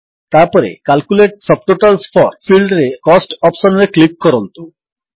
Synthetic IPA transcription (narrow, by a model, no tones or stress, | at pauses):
t̪apɔɾḛkalkuleʈ̚sʌb̚ʈoʈalspʰɔɾpʰilɖɾekɔsʈɔpsɔnɾeklikːɔɾɔnt̪u